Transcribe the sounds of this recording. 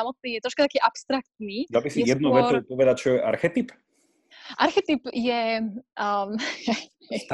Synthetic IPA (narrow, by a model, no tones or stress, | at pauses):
amɔt̪̚niːjɛt̪ɾɔʃkat̪akiːʔapst̪ɾakt̪niːd̪albisijɛd̪̚nuʋɛtupɔʋɛd̪ac̚t͡ʃɔjɛʔa̰ɾxɛt̪ip | ʔaɾxɛt̪ipjɛ